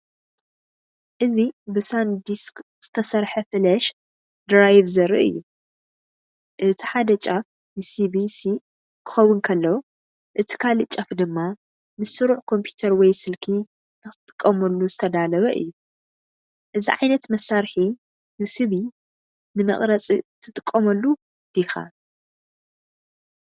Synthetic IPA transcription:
ʔɨzibɨsand̪iskz̥ɨt̪ʰɐsɐɾħɐfɨlɐʃ | d̪ɾajβzɐɾḭʔɨ̰jːu | ʔɨt̪ʰi̥ħad̪ɐt͡ʃʼa | nɨsibisi | kʰɨ̥xɐwʊnkʰɐlːɐ | ʔɨt̪ʰi̥kʰalɨt͡ʃʼɐfd̪ɨmːa | mɨsɨɾuʕkʰo̞mpʰju̥t̪ʰɐɾwɔjsɨlkʰi | nɨxɨt̪ʼɨ̥kʼːɐmɐlːuzɨt̪ʰɐd̪alɐβɐʔɨ̰jːu | ʔɨziʕajnɐt̪mɐsːaɾħi | nɨsɨβi | nɨmɐ̰χʼɾɐt͡sʼit̪ʰɨt̪ʼɨkʼːɐmɐlːu | d̪̥ixa̰

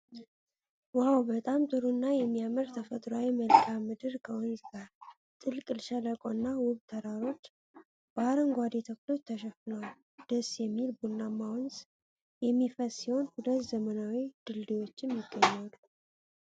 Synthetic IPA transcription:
wawbət̪ʼamt̪ʼɨɾunːajɛmːijamɨɾt̪ʰəfət̪ʼɾawiməlkʰamɨd̪ɨɾkʰəʔunt̪ʰa | t̪ʼɨlkʼɨlʃələkʼonːawʊβt̪ʰəɾaɾo̞t͡ʃː | b̥aɾəŋɡʷad̪et̪ʰəklo̞t͡ʃːt̪ʰəʃɛfɨnawl | d̪̥əsjɛmːilbulnːamːawɔns | jɛmːifəsiho̞nhulət̪zəmənawid̪̥ɨld̪ewo̞t͡ʃːɪnjɪɡːəɲːalːu

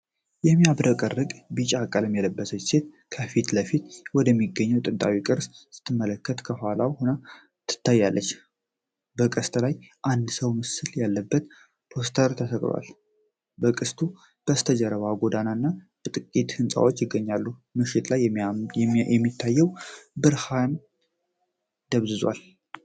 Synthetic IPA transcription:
jɛmːijabɾəkʼərːɨkʼbɨt͡ʃʼakʼːələmjɛləbːəsət͡ʃːse̞t̪̚ | kʰəfit̪ləfit̪wɔd̪əmːiɡːəɲːəwt̪ʼɨnt̪ʼawikʼɨɾssɨ̥t̪ʰːɨmːələkʰːət̪kʰəhalawhonə | t̪ʰːɨ̥t̪ʰːajːalːət͡ʃː | bəkʼəst̪ʼlajʔand̪səwmɨsɨljalːəbːət̪ | pʰo̞st̪ʰəɾt̪ʰəsəkʼɾa̰l | bəkʼɨst̪ʰu | b̥əst̪ʰəd͡ʒəɾəβaɡod̪ananːa | b̥ət̪ʼɨkʼːit̪hɨnsʼa̰wot͡ʃːjɪɡːəɲːalːumɨʃɪt̪laj | ɛmːit̪ʰːajːɛwbɨɾhan | d̪̥əβzɨzwa̰l

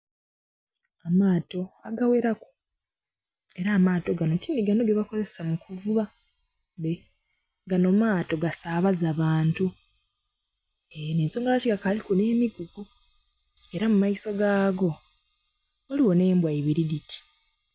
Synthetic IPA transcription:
amaːto̞aɡawe̞ɾaku̥ | e̞ɾaːmaːto̞ɡanotindiɡano̞ɡe̞βako̞zesamukuvuβa | βe | ɡano̞maːto̞ɡasaβazaβaːntu | eneːnso̞ːŋɡaβaciɡakalikune̞ːmiɡuɡu | e̞ɾamumaiso̞ɡaːɡo̞ | oliwo̞ne̞ːmbwaiβiɾiditi̥

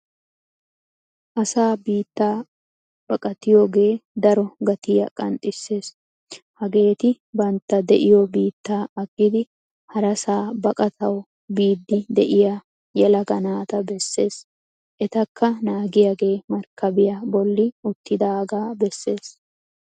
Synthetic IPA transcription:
ʔɐsaːbiːt̪ːaː | b̥ɐkʼɐt̪ɪjoːɡe̞ːd̪ɐɾɔɡɐt̪ɪjɐ̰kʼɐ̰nt̪ʼːɪsːe̞ːs | hɐɡe̞ːt̪ɪ | bɐnt̪ːɐd̪ɛʔɪjɔbiːt̪ːaːɐɡːɪd̪ɪ | hɐɾɐsaːbɐkʼɐt̪ʰɐw | biːd̪ːɪd̪ɛʔɪja | jɛlɐɡɐnaːt̪ɐbɛsːe̞ːs | ʔɛt̪ɐkʰːɐnaːɡɪjaɡe̞ːmɐɾkːɐbɪjɐbɔlːɪʊt̪ːɪd̪aːɡaːbɛsːe̞ːs

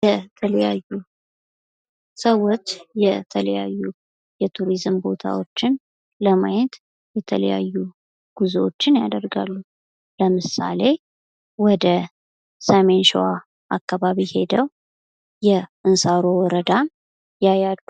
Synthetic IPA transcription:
jɛt̪ʰələjajːu | səwːo̞t͡ʃːjɛt̪ʰələjajːu | jɛt̪ʰuɾizɨmbo̞t̪ʰa̰wot͡ʃːɪn | ləmajət̪ | jɛt̪ʰə̰lə̰ja̰jːu | ɡ̥uzot͡ʃːɪnjad̪əɾɡalːu | ləmɨsa̰le̞ | wɔd̪ə | samenʃwa | ʔakːaβaβihe̞d̪əw | jɛʔɨnsaɾowɔɾəd̪a | jajad̪u

